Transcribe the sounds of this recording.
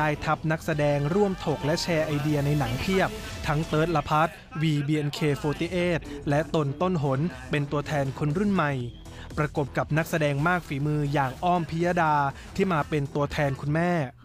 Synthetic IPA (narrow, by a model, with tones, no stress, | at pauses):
aː˧jt̪ʰa˦˥p̚na˦˥k̚sa˧dɛː˧ŋɾu˥˩əmt̪ʰo˨˩k̚lɛ˦˥ʔt͡ɕʰɛː˧ʔa˧jdi˧ɐna˧jna˩˦ŋpʰi˥˩əp̚t̪ʰa˦˥ŋt̪ɤː˦˥t̪̚la˧pʰa˦˥t̪̚ | wiː˧biː˧ʔe˧nkʰeː˧foː˧t̪iː˦˩ʔeː˥˩t̪̚lɛ˦˥ʔt̪o˧nt̪o˥˩nɦo˩˦npe˧nt̪u˧ɐt̪ʰɛː˧nkʰu˧nɾu˥˩nma˨˩j | pɾa˧ko˨˩p̚ka˨˩p̚na˦˥k̚sa˧dɛː˧ŋmaː˥˩k̚fiː˩˦mɯː˧jaː˨˩ŋʔɔː˥˩mpʰi˦˥jaː˧daː˧t̪ʰiː˥˩maː˧pe˧nt̪u˧ɐt̪ʰɛː˧nkʰu˧nmɛː˥˩